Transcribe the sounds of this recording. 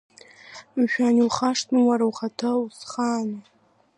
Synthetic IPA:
ʃᶣaniwχaʂtnɨwaɾawχatʰausχaːnɨ

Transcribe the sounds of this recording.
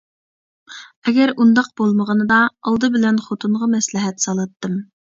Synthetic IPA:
ɛɡʲɛɾund̪ɑq̚b̥olˠməʁənɨd̪ɑɑlˠd̪ɨbɪlɛnχot̪ʰuɴʁɑmɛslɪɦɛt̪sɑlˠɑt̪ːɨm

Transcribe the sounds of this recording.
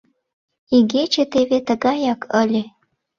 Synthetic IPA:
iɡʲet͡ʃet̪evet̪ə̆ɡɑjakəlʲe

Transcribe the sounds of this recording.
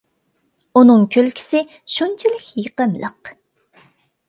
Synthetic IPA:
unɨŋkʲʰølkʲʰi̥sɪ | ʃunt͡ʃʰilɪkʲjəqəmlˠə̰q

